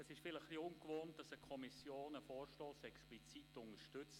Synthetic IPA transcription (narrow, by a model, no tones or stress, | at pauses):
ɛsɪʃfɪləχliʊŋkvoːnt̚d̥ɑsəkʰɔmisjoːnəfɔːrʃtoːsɛksplit͡sitʊŋəɾʃtʏt͡s